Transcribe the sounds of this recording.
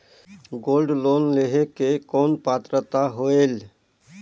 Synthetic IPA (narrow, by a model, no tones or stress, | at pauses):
ɡolɖlonleɦekekɔːnpat̪ɾət̪aɦoel